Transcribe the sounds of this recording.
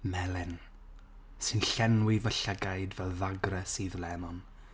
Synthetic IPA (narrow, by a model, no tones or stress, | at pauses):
mɛlˠɛn | sɨnɬɛnwɪvəɬəɡajdvɛlˠðaɡrɛsiðlˠɛnɔn